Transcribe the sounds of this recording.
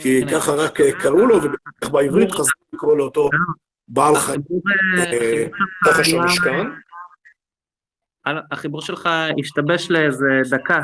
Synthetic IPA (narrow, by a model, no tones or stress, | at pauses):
kikaχaʁakekaʁulovebeaχbaivʁit̪χazuikʁoleot̪o | baːlχaibu | ueaaχaʃʃkan | alaaχibuʁʃelχaiʃt̪abeʃleezed̪aka